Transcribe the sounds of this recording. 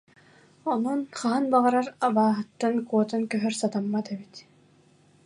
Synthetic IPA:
ɔnɔnχaɦanbaʁaɾaɾaβaːɦɯt̪ːankuɔt̪ankœɦœɾsat̪amːat̪ɛbit̪

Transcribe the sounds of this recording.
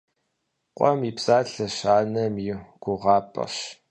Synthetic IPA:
qʷʼɔmiːpsaːɬɐɕaːnɐmiɡ̥ʷʊʁɑːpʼɐ̰ɕ

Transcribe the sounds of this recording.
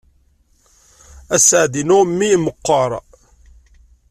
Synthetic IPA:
æsəʕðinʊmːiməqːəɾˤ

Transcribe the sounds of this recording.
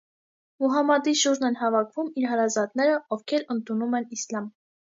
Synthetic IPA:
muɦɑmɑd̪iʃuɾʒnɛnɦɑvɑkʰvumiɾɦɑɾɑzɑt̪nɛɾəɔvkʰɛɾənt̪ʰunumɛnislɑm

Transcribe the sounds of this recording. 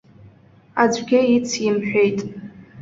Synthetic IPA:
ad͡zʷɡʲɪit͡sʰjɪmħʷᶣejtʼ

